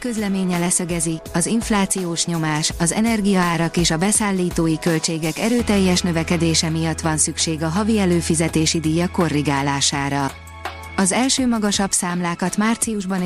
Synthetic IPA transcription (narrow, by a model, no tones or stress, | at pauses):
kø̞zlɛmeːɲɛlɛsɛɡɛziɒziɱflaːt̪sijoːʃɲo̞maːʃɒzɛ̰nɛrɡijɒaːɾɒkeːʃɒbɛsaːlːiːt̪oːjikø̞lt͡ʃeːɡɛkɛɾøːt̪ɛjːɛʃnø̞vɛkɛd̪eːʃɛmijɒt̪ːʋɒnsykʃeːɡɒɦɒviɛløːfizɛt̪eːʃid̪iːjɒko̞rːiɡaːlaːʃaːɾɒ | ɒzɛlʃøːmɒɡɒʃɒbsaːmlaːkɒt̪maːrt̪siuʒbɒn